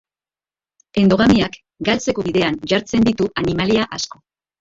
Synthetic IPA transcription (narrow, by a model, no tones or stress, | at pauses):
e̞nd̪o̞ɣamiak | ɡalt͡se̞ko̞βiðe̞anʝaɾt͡se̞nd̪it̪uʔanimaliaʔasko̞